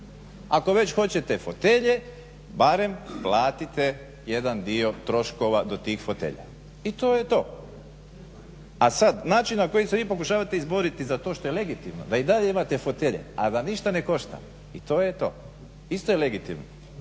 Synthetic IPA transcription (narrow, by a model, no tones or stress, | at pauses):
ako̞ʋe̞t͡ɕxo̞t͡ɕe̞t̪efo̞t̪e̞ʎe | baɾe̞mplaːt̪it̪e | je̞d̪and̪io̞t̪ɾo̞ʃko̞ʋad̪o̞t̪iːxfot̪ḛːʎa̰ | it̪o̞ːjet̪o̞ː | asad̪naːt͡ʃinnako̞jiseʋiːpo̞kuʃaːʋat̪eizbo̞ɾit̪izat̪o̞ʃt̪o̞jele̞ɡit̪imno̰d̪aid̪aʎeimat̪efot̪eʎḛa̰d̪aniʃt̪ane̞ko̞ʃt̪a̰m | it̪oːjet̪o̰ː | ist̪ojele̞ɡit̪ḭmno